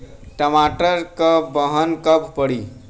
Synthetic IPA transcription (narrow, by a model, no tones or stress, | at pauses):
ʈəmaʈəɾkəbəɦənkəp̚ʰpəɽi